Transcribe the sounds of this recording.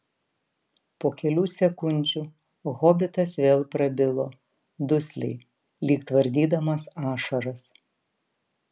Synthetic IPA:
poːkʲɛlʲuːsʲɛkʊnʲd͡ʒʲu | ɣoːbʲɪt̪ɐsʋʲeːlˠpɾɐbʲɪlˠoː | d̪ʊsʲlʲɛ̰ɪ | lʲiːkt̪ʋɐɾʲd̪ʲiːd̪ɐmɐsɑːʃɐɾɐs

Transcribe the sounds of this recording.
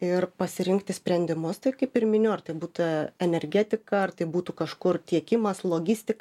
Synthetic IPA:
ɪrpɐsʲɪɾʲɪŋkt̪ʲɪsʲpʲɾʲɛnʲd̪ʲɪmʊst̪ɐɪkɐɪpɪrmʲɪnʲʊɐrt̪ɐɪbuːt̪ɐɛnʲɛɾʲɡʲæt̪ʲɪkɐɐrt̪ɐɪbuːt̪uːkɐʃkʊrt̪ʲiɛkʲɪmɐslˠoːɡʲɪsʲt̪ʲɪk

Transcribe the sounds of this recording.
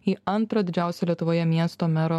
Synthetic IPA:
iːɐnˑt̪ɾɐd̪ʲɪd͡ʒʲæˑʊsʲɛlʲiɛt̪ʊʋoːjɛmʲiɛst̪oːmʲæɾoː

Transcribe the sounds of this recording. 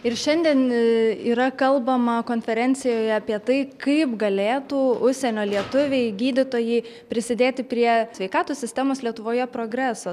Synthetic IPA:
ɪɾʃʲɛnʲd̪ʲiɛniːɾɐkɐlˠbɐmɐkoːnʲfʲɛɾʲɛnʲsʲɪjoːjɛɐpʲiɛt̪ɐɪkɐɪpɡɐlʲeːt̪uːʊʃʲsʲɛnʲoːlʲiɛt̪ʊʋʲɛɪɡʲiːd̪ʲɪt̪oːjɛɪ | pʲɾʲɪsʲɪd̪ʲeːt̪ʲɪpʲɾʲiɛsʲʋʲɛɪkɑːt̪oːssʲɪsʲt̪ʲæːmoːslʲiɛt̪ʊʋoːjɛpɾoːɡɾʲæːsoː

